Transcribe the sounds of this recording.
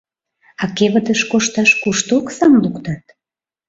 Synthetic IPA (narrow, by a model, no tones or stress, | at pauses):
ɑkeβəd̪əʃkoʃt̪ɑʃkuʃt̪oksɑmlukt̪ɑt̪̚